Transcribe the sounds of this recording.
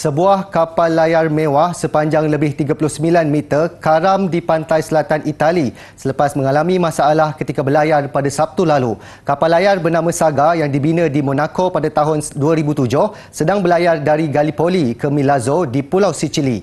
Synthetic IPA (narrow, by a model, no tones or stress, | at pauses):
səbuahkapalːajarmẽwahsəpaɲd͡ʒaŋləbɪht̪iɡapulʊhsəmilanmit̪ərkaɾamdipant̪ajsəlat̪anʔit̪ali | sələpasmə̃ŋalamĩmãsaːlahkət̪ikabəlajarpadasap̚t̪ulalu | kapalːajarbərnãmãsaɡajaŋdibinədimõnãkopadat̪aɦʊnduaɾibut̪ud͡ʒʊh | sədaŋbəlajardaɾiɡalipolikəmĩlazodipulawsit͡ʃili